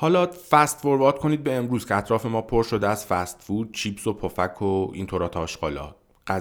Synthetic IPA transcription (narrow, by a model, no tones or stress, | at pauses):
hɒːlɒːfæst̪foɾbɒːt̪ko̞niːd̪̚be̞ːmɾuːz̥kcʰeæt̪ʰɾɒːfe̞mɒːpʰo̞ɾʃod̪eæz̥fæst̪fuːd̪̥̚t͡ʃʰiːbso̞pʰofækʰoḭnt̪ʰoɾɒːt̪ʰːʃɡ̥ɒːlɒ̰ːt̪ | ɢæ